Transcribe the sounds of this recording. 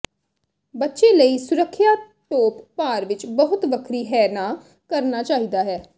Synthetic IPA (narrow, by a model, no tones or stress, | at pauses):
bətːʃeːləiːsʊɾəkʰːjaː | ʈoːppaːɾʋɪt͡ʃbəɦʊt̪ʋəkʰɾiːɦɛːnaː | kəɾnaːt͡ʃaːɦiːd̪aːɦɛː